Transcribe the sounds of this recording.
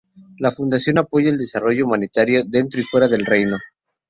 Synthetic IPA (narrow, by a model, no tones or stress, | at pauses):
lafund̪asjo̞napo̞ʝaeld̪e̞saro̞ʝo̞umanit̪aɾjo̞ðe̞nt̪ɾo̞ifwe̞ɾaðe̞lre̞jno̞